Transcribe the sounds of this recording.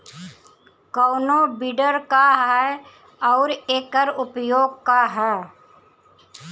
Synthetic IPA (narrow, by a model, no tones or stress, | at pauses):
kɔːnobɪɖəɾkaɦɛ | ɔːɾeːkəɾʊpjoːɡ̚kaɦɛː